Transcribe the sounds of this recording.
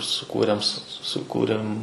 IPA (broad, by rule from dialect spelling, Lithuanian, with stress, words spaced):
sʊˈkuːrʲeːm sʊ sʊˈkuːrʲeːm